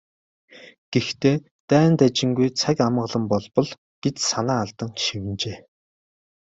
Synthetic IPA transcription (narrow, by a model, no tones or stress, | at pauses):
ɡ̥ext̪ʰeː | t̪æːnt̪æt͡ɕɪ̆ŋɡujt͡sʰakamɢə̆ɮə̆mpɔɮpɞ̆ɮ | ɡ̥et̪sanaːaɮt̪ə̆ŋʃiwɘ̆nt͡ɕeː